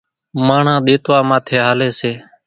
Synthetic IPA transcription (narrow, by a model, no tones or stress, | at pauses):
maːɳ̤ãːɗ̪eːt̪ʋaːmãːt̪ʰeːɦaːleːseː